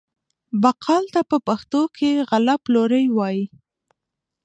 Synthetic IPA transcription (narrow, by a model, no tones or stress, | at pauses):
baqʰɑlt̪apəpaxt̪okʰeɣalaploɾəjwɑji